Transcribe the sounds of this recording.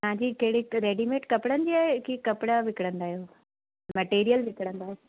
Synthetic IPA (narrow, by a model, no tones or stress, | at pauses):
ãːd͡ʑikɐɦɽiɾeːɖimeːʈkɐpɽənd̪iaekikɐpɽaʋɪkɽə̃nd̪aːɦjoː | mɐʈeːɾijəlʋɪkɽə̃nd̪aːɦe